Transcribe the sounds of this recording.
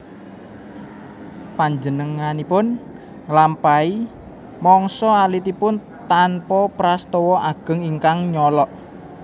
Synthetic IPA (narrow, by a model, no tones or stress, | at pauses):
paɲd͡ʒənəŋanipʊn | ŋlampai | mɔŋsɔalit̪ipʊn | t̪anpɔpɾast̪ɔwɔʔaɡ̥ə̤ŋiŋkaŋɲɔlɔʔ